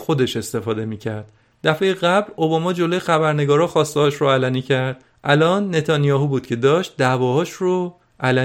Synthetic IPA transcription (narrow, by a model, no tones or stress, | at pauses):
xo̞d̪e̞ʃe̞st̪e̞fɒːd̪e̞miːcʰæɾd̪̥ | d̪æfe̞jeɣæblo̞bɒmɒːd͡ʒo̞lojexæbæɾne̞ɡɒːɾɒːxɒːst̪eɒʃɾoælæniːcʰæɾd̪̥ | ʔælɒːnːe̞t̪ʰɒnijɒːɦuːbuːd̪̥̚cʰe̞d̪ɒːʃt̪̚d̪ævɒːhɒːʃro | ʔælæ